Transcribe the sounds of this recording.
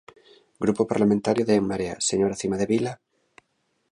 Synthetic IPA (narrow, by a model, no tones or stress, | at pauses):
ɡɾupopaɾlamẽnt̪aɾjoðeeŋmaɾea̰seɲoɾaθimaðeβila